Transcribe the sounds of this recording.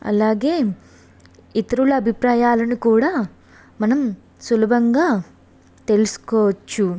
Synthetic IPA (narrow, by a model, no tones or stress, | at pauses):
ɐ̰laːɡe̞ː | it̪ɐɾulɐːbʱipɾaːjaːlɐnikuːɽaː | mɐnɐm | sulɐbʱɐŋɡaː | t̪e̞lusu̥kɔːʋɐt͡ʃːu